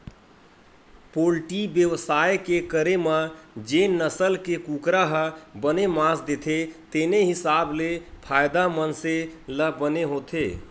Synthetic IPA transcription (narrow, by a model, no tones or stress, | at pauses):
polʈibjəwsajkekəɾemad͡ʒenəsəlkekukɾaɦəbənemãsd̪et̪ʰet̪eneɦɪsablepʰajd̪amənseləbəneɦot̪ʰe